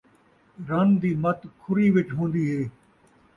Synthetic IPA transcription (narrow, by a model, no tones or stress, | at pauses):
ɾɐnd̪iːmɐt̪kʰʊɾiːʋɪt͡ʃɦõːnd̪iːɦeː